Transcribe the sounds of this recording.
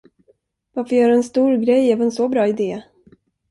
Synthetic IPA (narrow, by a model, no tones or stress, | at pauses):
vaɾfɔɾjœːɾaɛnst̪uːɾɡɾɛjɛːvənsɔbɾɑːɪd̪eː